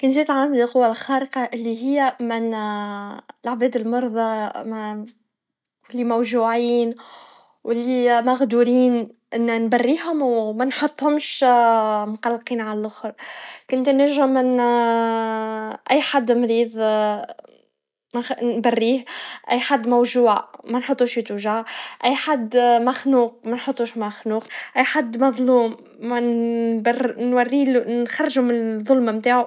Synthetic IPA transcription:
kʊnt̪ziːt̪ʕand̪iqʊwːalxɑːɾəqɑʔɪlːiɦɪjːæmɪn | ɪlʕbɛːd̪ɪlmɑɾˤðˤɑ | wɪlːimæwʒuːʕiːn | wɪlːimaɣd̪uːɾiːnʔɪnːnbarːiːɦʊmwmænħot̪ˤːhʊmʃ | mʊqɑlːqiːnʕalælʔʊxɾkʊnt̪næʒɪmːɪn | ʔæjːħad̪ːmɾiːðˤ | mænbærːiːhʔæjːħad̪ːmæwʒuːʕamænħot̪ˤːuːʃit̪uʒaʔæjːħad̪ːmæxnuːq̚mænħot̪ˤːuːʃmaxnuːqʔæjːħad̪ːmɑðˤluːm | bnwarːiːlxɑrˤːʒumɪnðˤʊlmamt̪aːʕu

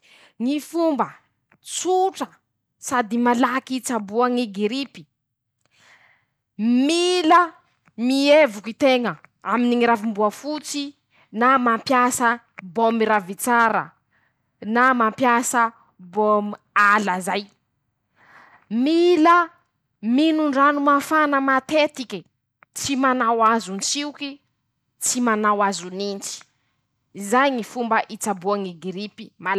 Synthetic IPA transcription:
ŋifumbə | t͡suʈ͡ʂə | sad̪imalakit͡sabuaŋiɡiɾipi̥ | milə | mievukit̪eŋəaminiŋiɾavimbuafut͡si | namampjasə | bomiɾavit͡saɾə̰ | namampjasə | bom | aləzaj | milə | minuɳɖ͡ʐanumafanəmat̪et̪ikʲi | t͡simanawazunsiuki | t͡simanawazunint͡si̥ | izajŋifumbəʔit͡sabuaŋiɡiɾipi̥ma

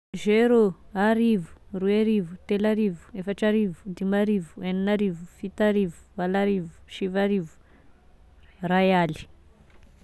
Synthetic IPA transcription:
ʒeɾoaɾivu̥ruaɾivut̪elaɾivu̥efaʈ͡ʂaɾivu̥d̪imaɾivueninaɾivufit̪aɾivu̥alaɾivu̥ʃivaɾivu̥ | rajali̥

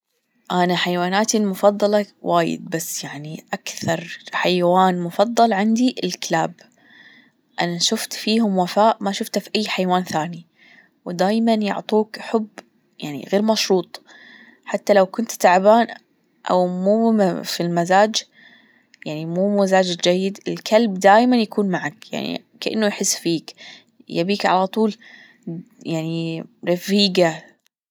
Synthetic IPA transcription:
ʔanaħajwaːnaːt̪imʊfɑðˤːɑlɑwʔaːjɪ̰d̪̚basːjaʕniʔakθɑɾˤħajawaːnmʊfɑðˤːɑlʕɪnd̪iɪlklaːb | ʔanaʃʊft̪fiːɦʊmwafaːʔmaʃʊft̪afiʔajːħajwaːnθaːni | wɪd̪aːjmanjʊ̰ʕt̪ˤuːkħʊbː | ja̰ʕnḭɣeːɾmɑʃɾuːt̪ˤ | ħat̪ːalawkʊnt̪t̪aʕbaːn | ʔa̰wmuːfilmazaːd͡ʒ | jaʕnimuːmazaːd͡ʒd͡ʒajːɪd̪ɪlkʰalbd̪aːjmanjakuːnmaʕakja̰ʕnḭ | kaʔɪ̰nːʊjħɪsːfiːk | jabiːkʕa̰lat̪ˤuːl | jaʕniɾɑfiːɡa

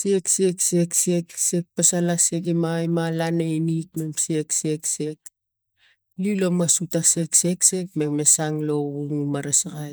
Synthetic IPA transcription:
sekse̞kse̞ksekse̞k̚pasalasekimajmalanejnik̚me̞mse̞kse̞kse̞k | lilomasutase̞kse̞kse̞k̚mekme̞saŋlo̞βuŋmaɾasɡaj

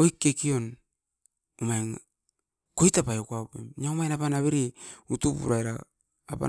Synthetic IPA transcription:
ojkːekion | omaen | kojtapajokuaupḛmɲaomaenapanaβeɾiutupṵɾajɾaː | pa̰

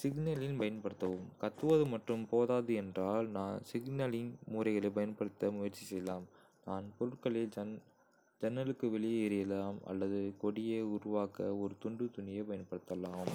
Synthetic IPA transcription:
sɪɡnɐlɪnpɐjɐnpɐɽɯt̪ːɐʋɯmkɐt̪ːɯʋɐðɯmɐʈrɯmpoːðaːðɯɛndraːlnaːnsɪɡnɐlɪnmuːɾɐɪɣɐɭɐɪp̬ɐjɐnpɐɽɯt̪ːɐmʊjɐɾt͡ʃːisɛjɐlaːm | naːnpɔɾɯʈkɐɭɪl | d͡ʒɛnːɐlɯkːɯʋɛɭɪjɐɛɾɪjɐlaːmɐ̰lːɐðɯkɔɽɪjeʊɾʊʋaːkɐɔɾɯt̪ʊɳɖɯt̪ʊnɪjɐpɐjɐnpɐɽɯt̪ːɐlːaːm

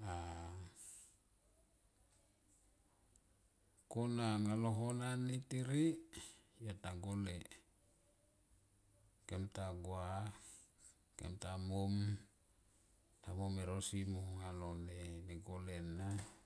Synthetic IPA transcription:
a | konaŋaloɦonanitiɾi | jataɡole | kemtaɡoa | kḛmtamom | tamomeɾosimoŋaloneneɡolenːa

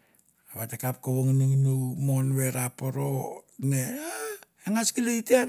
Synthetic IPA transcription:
aβatekap̚koβoŋnuŋnumo̞nβe̞ɾapoɾonea | eŋaskileitia

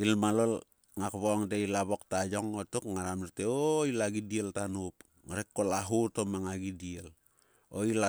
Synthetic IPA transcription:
ilmalol | ŋakβoŋdeilaβok̚tajo̞ŋotukŋaɾamiɾteoilaɡidieltanup | ŋaɾekːolaɦutomaŋaɡidiel | o̰ila

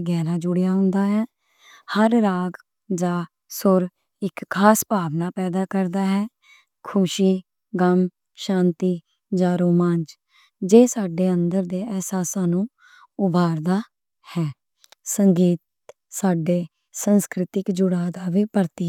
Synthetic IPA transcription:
ɡɛːɾaːd͡ʒʊɽjaːɦʊ̃nd̪aːɦɛː | həɾɾaːɡ | d͡ʒaː | sʊɾ | ɪkʰːaːspaːʋnaːpɛːd̪aːkəɾd̪aːɦɛː | kʰʊʃiː | ɡəm | ʃãːnt̪iː | d͡ʒãːɾoːmãːnd͡ʒ | d͡ʒeːsaːɖeːənd̪əɾd̪eːɛːsaːsaːnũː | ʊbʱaːɾd̪aː | hɛː | səŋɡiːt̪̚ | saːɖeː | sənskɾɪt̪ɪkd͡ʒʊɽaːd̪aːʋiːpəɾt̪iː

